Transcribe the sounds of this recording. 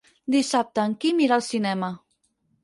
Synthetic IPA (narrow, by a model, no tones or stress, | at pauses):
d̪isap̚t̪əːŋkimiɾalˠsinɛmə